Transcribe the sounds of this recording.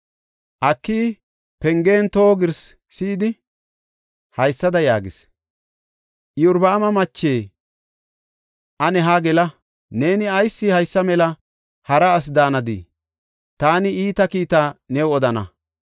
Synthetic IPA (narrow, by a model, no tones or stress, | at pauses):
ʔɐkːiː | pɛŋɡe̞ːnt̪o̞ːɡɪɾsː | iːd̪ɪ | hɐjsːɐd̪ɐjaːɡɪs | ʔjʊɾbɐːmɐmɐt͡ʃːe̞ː | ʔɐnɛɦaɡɛlɐ | ne̞ːnɪɐjsːɪhɐjsːɐmɛlɐ | hɐɾɐːs̬d̪aːnɐd̪ḭ | t̪aːnɪiːt̪ɐkiːt̪aːnɛwɔd̪ɐnɐ̰